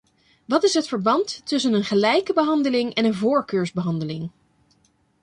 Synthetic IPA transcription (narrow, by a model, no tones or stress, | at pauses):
ʋɑtɪsɦətfəɹbɑntːʏs̬ənənχəlɛjkəbəɦɑndəlɪŋɛnənvʊːɹkøːɹzbəɦɑndəlɪŋ